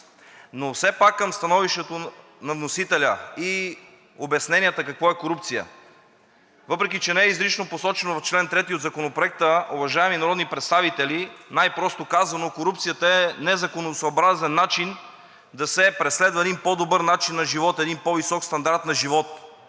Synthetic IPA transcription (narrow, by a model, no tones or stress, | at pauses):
nofsɛpakːəmst̪ɐnɔviʃt̪ɛt̪o | nɐvnosit̪ɛlʲəi | obɐsnɛnʲijət̪əkɐkvɔɛkoɾup̚t̪sijə̰ | vɤpɾɛkit͡ʃɛnɛɛizɾit͡ʃnoposɔt͡ʃɛnovɐft͡ʃlɛnt̪ɾɛt̪iod̪zɐkonopɾoɛk̚t̪əovɐʒaɛminɐɾɔd̪nipɾɛt̪st̪avit̪ɛlinajpɾɔst̪okazvɐnokoɾup̚t̪sijət̪əɛnɛzɐkonosɐobɾazɛnːat͡ʃin | d̪ɐsɛpɾɛslɛd̪vəɛd̪inpɔd̪obɤɾnat͡ʃinːɐʒivɔt̪ɛd̪inpɔvisɔkst̪ɐnd̪aɾt̪nɐʒivɔt̪